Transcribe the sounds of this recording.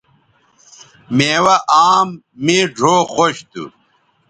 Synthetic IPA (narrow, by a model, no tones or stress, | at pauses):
meːwɐʔaːmː | iɖʱoːxoɕt̪ṵ